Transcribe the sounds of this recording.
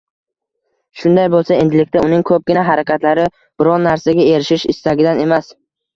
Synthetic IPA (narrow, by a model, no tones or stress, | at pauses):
ʃʊnd̪ajbolˠsae̞nd̪ɪlɪk̚ʲt̪aʊnɪŋkʰɵp̚ɡʲɪnaɦaɾakʲʰat̪laɾɪ | b̥ɪɾɒnːaɾsaɡʲae̞ɾɪʃɪʃɪst̪aɡʲɪd̪ane̞mas